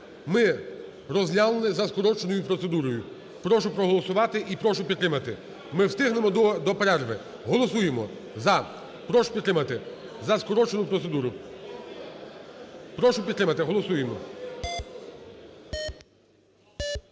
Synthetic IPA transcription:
mɪ | ɾɔzʲnʲalˠenɪzɐskɔɾɔt͡ʃenɔjʊpɾɔt̪se̞d̪uɾɔjʊ | pɾɔʃʊpɾɔɦɔlˠɔsʊʋɑt̪ɪʔipɾɔʃʊpʲid̪t̪ːɾɪmɐt̪ɪ | mɪwst̪ɪɦnemɔd̪d̪ɔpɾɛrʋɪ | ɦɔlˠɔsujemɔ | zɐ | pɾɔʃʊ̥pʲid̪t̪ːɾɪmɐt̪ɪ | zɐskɔɾɔt͡ʃenʊpɾɔsed̪uɾʊ | pɾɔʃʊpʲid̪t̪ɾɪmɐt̪ɪɦɔlˠɔsujemɔ

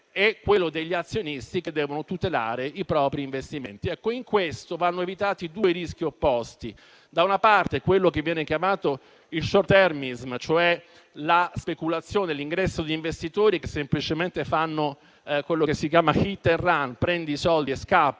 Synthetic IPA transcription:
ɛkːwelːod̪eʎːiat̪sːjonist̪iked̪ːɛːvonot̪ut̪ela̰ːɾeʔipɾɔːpɾiːɱvest̪imḛnt̪iɛkːoiŋkwest̪ovanːoevit̪aːt̪id̪uːeɾisk̟iopːɔst̪i | d̪aunapart̪ekwelːokevːjɛːnekjamaːt̪o | ilʃort̪ɛrminizmt͡ʃoɛ | laspekulat̪sːjoːneliŋɡɾɛsːod̪iːɱvest̪it̪oːɾikesːemplit͡ʃement̪efanːo | kwelːokesːik̬jaːmaxit̪ːerːanpɾɛnd̪isɔld̪ieskapː

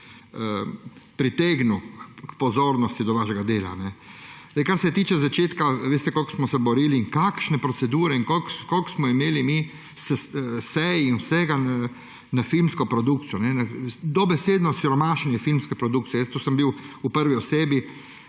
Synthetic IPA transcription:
əpɾit̪eːɡnukpɔzoːɾnɔst̪id̪ɔʋaʃɛɡad̪eːla̰nɛd̪ajkaɾsɛt̪iːt͡ʃɛzat͡ʃeːt̪kaʋeːst̪ɛkolksmɔsɛbɔɾiːliːŋkakʃnɛpɾɔsɛd̪uːɾɛiŋkolkkolksmɔimeːlimi | sɛsɛjinwsɛːɡa | nafilmskɔpɾɔd̪uk̚t̪sijɔnɛnad̪ɔbɛseːd̪nɔsiɾɔmaːʃɛnjɛfilmskɛpɾɔd̪ukt̪sijɛjəst̪uːsəmbiwupəɾʋiɔseːbi

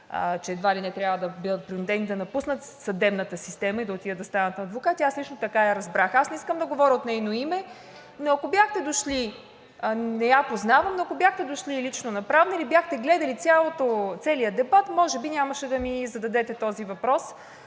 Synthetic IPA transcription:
t͡ʃɛːd̪valinɛt̪ɾʲabvəd̪ɐbɤd̪ət̪̚pɾinud̪ɛnid̪ɐnɐpusnət̪ | sɐd̪ɛbnət̪əsist̪ɛməid̪ɐot̪id̪ʲəd̪ɐst̪anɐt̪nɐːd̪vokat̪iaslit͡ʃnot̪ɐkaɐɾɐzbɾaxasnɛiskəmd̪ɐɡovɔɾʲəot̪nɛjnoimɛ | noɐkobʲjaxt̪ɛd̪oʃli | nɛjapoznavɐmnoɐkobjaxt̪ɛd̪oʃlilit͡ʃnonɐpɾavnɐilibjaxt̪ɛɡlɛd̪ɐlit̪sʲjalˠot̪ot̪sɛlijəd̪ɛbat̪mɔʒɛbinʲamɐʃɛd̪ɐmizɐd̪ɐd̪ɛt̪ɛt̪ɔzivɐpɾɔs

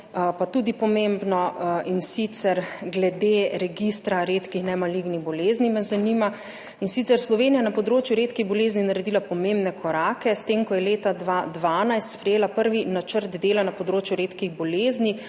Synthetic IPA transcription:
pat̪uːd̪ipɔmembnɔinsit̪sɛɾɡlɛd̪eɾɛɡist̪ɾaɾeːt̪kixnɛmaliɡniɣbɔleːznimɛzanima | insit̪sɛɾslɔʋeːnijajɛnapɔd̪ɾoːt͡ʃjuɾeːt̪kiɣbɔleːzninaɾɛd̪ilapɔmẽmbnɛkʰɔɾaːkɛst̪emkɔjɛleːt̪ad̪ʋad̪ʋaːnajst̪spɾɛjeːlapəɾʋinat͡ʃəɾd̪d̪eːlanapɔd̪ɾoːt͡ʃjuɾeːt̪kiɣbɔleːzni

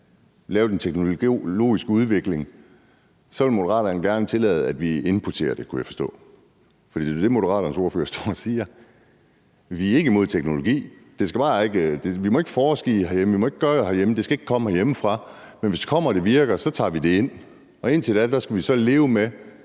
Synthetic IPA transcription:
lɛːʊd̥ent͡sʰeɡ̥noo̝̰ːisɡ̥əuðˠʋe̝ɡ̥le̝ŋ | sɒe̝mo̝ɾɐʁɑ̰̈ːɾɐn̩ɡ̥æɐnət͡sʰe̝lɛ̰ːð̞̩ˠæd̥ʋie̝npʰɒt͡sʰe̝̰ːɐd̥e̝kʰujæfɒ̽sd̥ɔ̰̽ː | fɒd̥ḭded̥e̝mo̝ɾɐʁɑ̰̈ːɾɐn̩so̝ɐfø̰ːɐsd̥ɒsiːɐ | ʋiɐe̝ɡ̥əimo̝ð̰ˠt͡sʰeɡ̥no̝lo̝ɡ̥ḭːd̥e̝sɡ̥æb̥ɑ̈ːe̝ɡ̥d̥e̝ʋimɒ̽e̝ɡ̥ə̥fɒːsɡ̥ḭːhæɐjemʋimɒ̽e̝ɡ̥ɡ̥ɶɐhæɐjeməd̥e̝sɡ̥æeɡ̥kʰɒ̽m̰əhæɐjeməfʁɑ̈menʋesd̥e̥kʰɒ̽m̰ɐːd̥e̝ʋiɐɡ̥ɐsɒ̽t͡sʰɑ̰̈ːʋid̥e̝e̝n̰ | ɒ̽e̝n̰t͡sʰe̝læd̥æsɡ̥æʋisɒ̽le̝ːʊəme

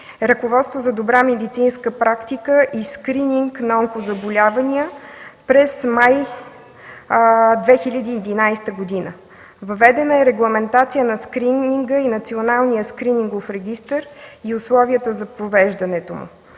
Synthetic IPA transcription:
ɾəkovɔt̪st̪vozɐd̪obɾamɛd̪it̪sinskəpɾakt̪ikəʔiskɾiniŋknɐɔŋkozɐbolʲavɐniəpɾɛsmaj | d̪vɛxilʲəd̪iːd̪inajst̪əɡod̪inə̰ | vɐvɛd̪ɛnəɛɾɛɡlˠɐmɛnt̪at̪sijənɐskɾiniŋɡəinɐt̪sionalˠnijəskɾiniŋɡofɾɛɡʲist̪əɾiʊslˠɔviət̪əzɐpɾovɛʒd̪ɐnɛt̪omʊ̰

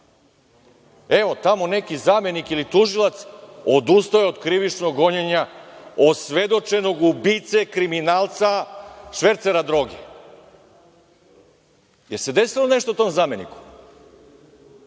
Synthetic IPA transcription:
e̞ʋo̞t̪amo̞ne̞kizaːmje̞nikilit̪uʒilˠat̪sod̪ust̪ajeod̪kɾiʋit͡ʃnoɡo̞ɲeɲaosʋe̞d̪o̞t͡ʃe̞no̞ɡubit̪sekɾiminaːlˠt̪saʃʋe̞ɾt̪seɾad̪ɾo̞ɡḛ | jese̞d̪e̞silone̞ʃt̪out̪o̞mzaːmjenḭku̥

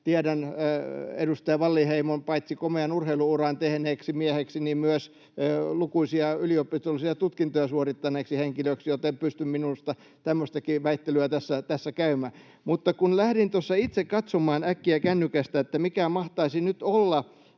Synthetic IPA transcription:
t̪iæɾæn | ḛdust̪ɑjɑʋɑlːiheimompɑit̪sikomeɑnurheiluurɑnt̪ehneːksimiæheksinimmyøs | lukuisiɑyliopˑist̪olisiɑt̪ut̪kint̪ojɑsuorit̪ːɑneːksiheŋkiløksijot̪empyst̪ymminust̪ɑ | t̪æmːøst̪ɑkiʋæit̪ːelyæt̪æsːæt̪æsːækæymæː | mut̪ːɑkunlæhɾint̪osːɑit̪sekkɑt̪somɑːnækːiækænːykæst̪æet̪ːæmikæmɑht̪ɑisinyt̪olːɑ

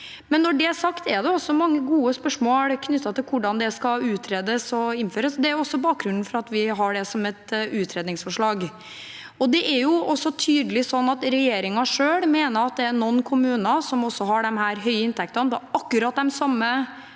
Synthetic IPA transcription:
mɛnːɔɖɛæsɑkt̪ɛd̪ɛɔsɔmɑŋːəɡuːəspœʂmoːlkʰnʏt̪ːɑt̪ɪlkʰʊɖɑnd̪ɛskɑʉːt̪ʰɾeːd̪əsɔɪnføːɾəsd̪ɛæɾjʊɔsːɔbɑːk̚ɡɾʉnn̩fɔɾɑt̪ʋɪɦɑɖɛsɔmɛt̪ʉːt̪ʰɾeːd̪nɪŋsfɔʂɭɑːɡ | ɔd̪ɛʔæɾjʊʔɔsːɔt̪ʰyːd̪əlɪsɔnːɑt̪ɾɛjeːɾɪŋɑʂøːɽmeːnəɾɑt̪̚d̪ɛæɾnɔnːkʰʊmʉːnɑsɔmɔsːɔɦɑɖɛmɦæːɾɦœʏəɪnt̪ʰɛk̚t̪ɑnbɔɑkːʉɾɑːt̪̚d̪ɛmsɑmːə

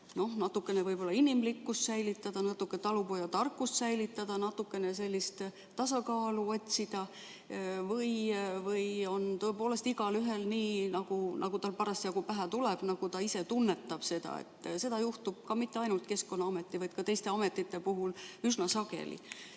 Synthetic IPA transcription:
no̞hnɑt̪ːˑukːˑe̞ne̞vɤjbo̞lːɑinimlikːust̪sæjlit̪ːˑɑd̪̥ɑnɑt̪ːˑukːˑet̪ɑlupojɑt̪ɑrkːˑust̪sæjlit̪ːˑɑd̪ɑnɑt̪ːukːˑe̞ne̞se̞lʲːist̪ | t̪ɑsɑkɑːluo̞t̪ʲsid̪̥ɑ | vɤjvɤjo̞nt̪oepo̞ːle̞st̪iɡɑlyɦe̞lniːnɑɡ̥unʔɑɡut̪ɑlpɑɾɑsjɑɡupæɦæt̪uleb̥nɑɡ̥ut̪ɑise̞t̪unːe̞t̪ːˑɑb̥se̞d̪̥ɑ̰ḛt̪ːˑse̞d̪ɑjuht̪ub̥̚kɑmit̪ːe̞ɑjnult̪ke̞sko̞nːɑɑme̞t̪ːˑivɑjd̪̥kɑt̪e̞jst̪e̞ɑme̞t̪ːˑit̪ːe̞puɦulysnɑsɑɡḛlḭ

